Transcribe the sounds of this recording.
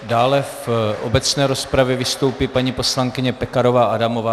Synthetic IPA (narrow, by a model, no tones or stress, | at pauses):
daːlɛfʔobɛt͡snɛːɾo̞spɾavjɛvɪst̪owpipaɲipo̞slaŋkɪɲɛpɛkaɾo̞vaːʔadamovaː